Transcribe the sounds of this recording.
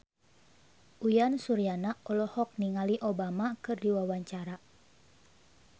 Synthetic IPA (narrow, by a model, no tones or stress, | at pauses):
ʔujansuɾianaɔlɔhɔk̚niŋaliʔobamakɨrdiwawaɲt͡ʃaɾa